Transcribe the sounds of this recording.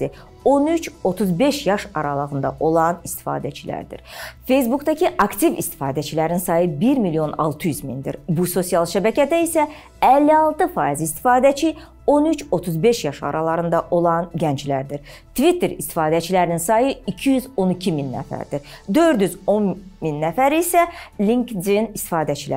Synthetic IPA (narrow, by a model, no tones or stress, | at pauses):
i | o̞nyt͡ʃo̞t̪ʰuzbe̞ʃjɑʃɑɾɑlˠɑɣɯnd̪ɑ̰ʔo̞lˠɑnist̪i̥fɑ̰ːd̪æt͡ʃʰilæ̰ɾd̪ḭɾfe̞js̬bukd̪ɑcʰiʔɑkt̪ʰivist̪ʰi̥fɑːd̪æt͡ʃʰilæɾninsɑːjɯbiɾmilijo̞nɑ̰lˠt̪ʰɯjyzmḭnd̪ḭɾbuso̞sijɑlˠʃæbæcʰæd̪æisæ | ælːiɑlˠt̪ʰɯfɑːizist̪i̥fɑːd̪æt͡ʃʰi | o̞nyt͡ʃʰo̞t̪ʰuzbe̞ʃjɑʃɑ̰ɾɑlˠɑɾɯnd̪ɑʔo̞lˠɑnɟænt͡ʃlæɾd̪iɾ | t̪ʰvit̪ʰeɾist̪i̥fɑːd̪æt͡ʃʰilæɾininsɑːjɯicʰijyzo̞nicʰiminːæ̰fæ̰ɾd̪iɾd̪ø̞ɾd̪jyzo̞nminːæfæɾiisælʲiŋkd̪inist̪i̥fɑːd̪æt͡ʃʰilæ̰